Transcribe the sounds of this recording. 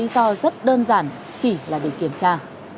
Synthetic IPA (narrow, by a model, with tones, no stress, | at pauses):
i˨˦zɔ˧zə˦˥t̚ɗəː˧nzaː˧˩n | t͡ɕi˧˩laː˨˩ɗe˧˩ki˧˩əmt͡ɕaː˧